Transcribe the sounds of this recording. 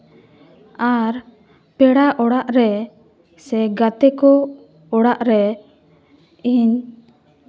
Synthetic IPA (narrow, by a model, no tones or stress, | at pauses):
aɾ | pɛɽaʔɔɽaʔɾɛ | sɛɡat̪ɛkɔ | ɔɽaʔɾɛ | iɲ